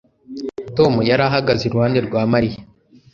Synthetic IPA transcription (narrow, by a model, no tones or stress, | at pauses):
tomujaɾaɦaɡazeɾuwhaːndeɾɡwaːmaɾije